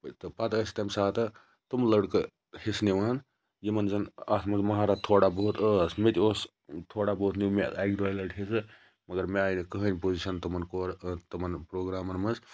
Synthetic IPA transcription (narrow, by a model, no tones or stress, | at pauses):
t̪ɨpat̪ɐsʲt̪ɐmsaːt̪ɐ | t̪umlɐɽkɨ | hesnewnɐn | jimɐnd͡zɐnɐsʰmɐnzmɐɦaːɾaːt̪ʰoːɽabəɦut̪ɐsmet̪ʲios | t̪ʰoːɽabɐɦut̪nʲimeaːɡɾuɐlɐʈɦesɨ | mɐɡɐɾmeaːjnikəɦənʲpoziʃɐnt̪ɐmɐnkoːɾt̪ɐmɐnpɾoːɡɾaːmɐnmɐz